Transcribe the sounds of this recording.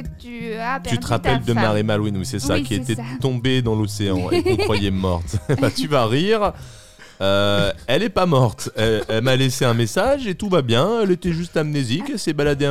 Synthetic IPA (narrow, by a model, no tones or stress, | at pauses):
t̪yt̪əʁapɛld̪əmaʁimalwinwisɛsakʲiet̪ɛtt̪ɔ̃bed̪ɑ̃loseɑ̃ḛkɔ̃kwajemɔʁt̪bat̪yvaʁiʁ | øɛlɛpamɔʁt̪ɛlmaleseɛ̃mesaʒet̪uvabjɛ̃ɛlet̪ɛʒyst̪amnezikɛlsɛbalad̪ẽ